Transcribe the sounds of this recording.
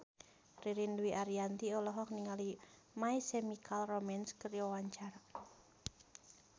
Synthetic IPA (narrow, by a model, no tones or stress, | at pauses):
riɾinluwiʔaɾiant̪iɔlɔɦɔk̚niŋali | maisemikʰalromɛnskərjɔwaɲt͡ʃar